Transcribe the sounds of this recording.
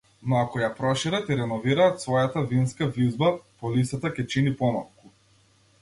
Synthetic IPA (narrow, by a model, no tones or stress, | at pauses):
nɔakɔjapɾɔʃiɾat̪iɾɛnɔviɾaːt̪svɔjat̪avinskavizbapɔlisat̪akʲɛt͡ʃinipɔnafku